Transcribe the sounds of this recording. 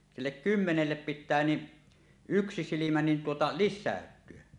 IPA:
silːek kymːenelːep pitˑæː ni yksi silimæ nin tuotɑ lisːæˑøtˑyø

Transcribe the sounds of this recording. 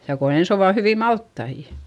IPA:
jɑ ko ens oʋɑ hyʋiˑ mɑltːɑijɑ̥

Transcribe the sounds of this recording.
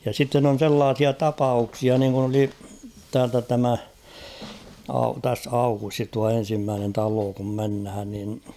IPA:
jɑ sitːen on̞ selːɑːsiɑ tɑpɑuksiɑ niːŋkun oli tæːltæ tæmæ ɑu tæs ɑukustis tuɑ en̞simːæːnen tɑloː kum menhæn nin

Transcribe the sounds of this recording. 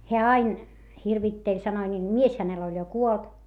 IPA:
heæ ɑin hirʋitːelʲ sɑnoi nʲiːl mies hænel olʲ jo kuolt

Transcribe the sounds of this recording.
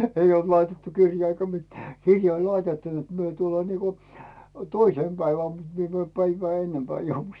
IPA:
eij olt lɑitetːu kirjɑː eikæ mitæ̥ kirjɑ olʲ lɑitetːu net myø tulːɑː niːko toiseˑm pæiʋæm mut mie mæːm pæiʋæː enːempæː jouʋu

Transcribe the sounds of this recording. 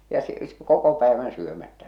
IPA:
jɑ s koko pæeʋæn syømætːæ

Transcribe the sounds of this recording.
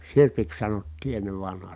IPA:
sirpiks sɑnotːiː enːeʋ ʋɑnhɑː

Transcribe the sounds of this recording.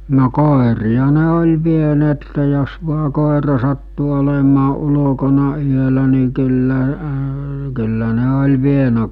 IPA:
no koˑeriɑ ne olʲ ʋieneːtːe jos ʋuɑ koˑerɑ sɑtːu olemɑː ulo̝konɑ yølæ ni kylːæ kylːæ ne olʲ ʋienæ

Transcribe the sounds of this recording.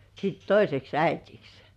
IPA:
sit toiseks æitiks

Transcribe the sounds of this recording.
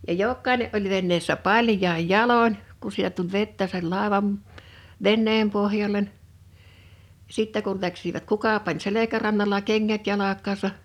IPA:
jɑ jokːɑineʔ ʔolʲ ʋenːeːsːæ pɑljˑɑij jɑlonʲ ku sit̆æ tulʲ ʋetːæ sei lɑˑeʋɑm ʋenːeːm pohjɑlʲen sitːæ kul læksiʋæt kukɑ pɑnʲ selekærɑnːɑlɑ keŋːæt jɑlɑkˑɑːsɑ

